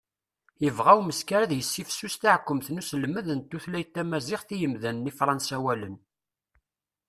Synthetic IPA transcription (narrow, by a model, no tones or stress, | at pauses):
jəvʁæwməskaɾæðjəsːifsːust̪aʕkʷːəmθnuslməðənt̪ːuθlæjt̪ːæmæzɪχθijəmðænːifɾˤɑnsæwælən